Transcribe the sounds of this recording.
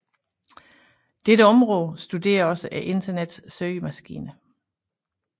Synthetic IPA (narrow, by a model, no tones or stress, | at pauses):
d̥eɾəɒ̽mʁɔ̽ːð̩ˠsd̥ud̥e̝̰ːɐɒ̽səʔæʔe̝nd̥ɐned̥sːøəmæsɡ̥ḭːnə